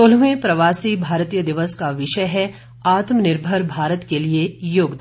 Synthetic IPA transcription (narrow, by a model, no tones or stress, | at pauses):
ol̤ʋẽpɾɐʋaːsibʱaːɾt̪iːjəd̪ɪʋəskaʋɪʃəjɦɛ | aːt̪mənɪɾbʱəɾbʱaːɾət̪keliejoːɡd̪